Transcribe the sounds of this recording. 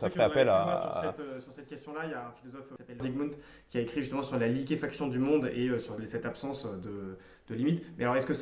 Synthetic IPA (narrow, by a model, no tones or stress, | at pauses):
safɛapɛlaasysɛt̪øsyʁsɛt̪̚kʲɛst̪jɔ̃lajaɛ̃filɔzɔfsapɛlːziɡmũnt̪ | kʲiaekχiʒyst̪əmɑ̃syʁlalikʲefaksjɔ̃d̪ymɔ̃d̪eøsyʁsɛt̪apsɑ̃sød̪ə | d̪̥əlimit̪mɛalɔʁɛskəs